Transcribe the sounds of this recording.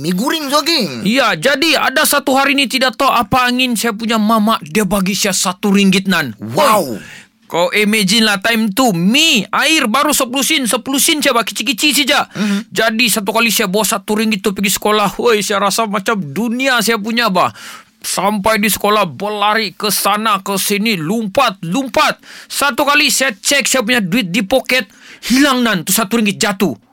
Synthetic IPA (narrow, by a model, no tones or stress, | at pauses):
miɡuɾɪŋsoɡiijad͡ʒadia̰dasat̪uɦaɾinit̪idaʔ̚t̪oʔapaːŋɪnsajap̬uɲamamaʔdiabaɡisajasat̪uɾiŋɡɪt̪̚nanwaw | kaloʔemed͡ʒinlat̪ajmt̪umiaɪrbaɾusəpulusɪnsəpulusinsaabakit͡ʃikit͡ʃis̬id͡ʒaʔd͡ʒadisat̪̬ukalisajabawasat̪uɾiŋɡɪt̪ːupiɡisə̥kolahojsajaɾasamat͡ʃamduniasajap̬uɲabah | sampajdisə̥kolahbəlaɾikəsanakəsinilumpat̪̚lumpat̪̚sat̪ukalisajat͡ʃɛksajap̬uɲaduɪt̪̚dipokɛt̪̚hilaŋnant̪usat̪uɾiŋɡɪt̪̚d͡ʒat̪u